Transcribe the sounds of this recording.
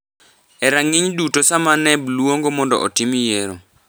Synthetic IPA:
ɛɾaŋɪɲdutosamanɛblwoŋɡomɔndɔ̰ʔɔ̰timjeɾo

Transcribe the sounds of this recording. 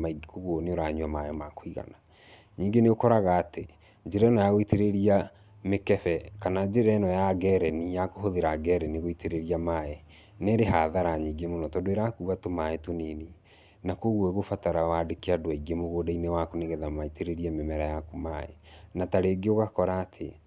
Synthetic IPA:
aiɡkoɣwoneoɾaɲuamajɔmakoiɣa̰na | ɲiːŋɡeneokɔɾaɣaːte | d͡ʒeɾɛːnɔjaɣoiteɾeɾia | mekɛfɛkanad͡ʒeɾɛnɔjaɡɛɾɛnijakoɦoðeɾaɡɛɾɛniɣoitʰeɾeɾiamaɛ | neɾeɦaðaɾaɲiːŋɡemonɔtɔdoeɾakuːɣatomaetonini | nakoɣweɣofataɾawadekeadoaiɡemoɣodainewakoneɣɛðamaitʰeɾeɾiɛmɛmɛɾajakumaɛ̰ | nataɾeɡeoɣakɔɾaːtʰe

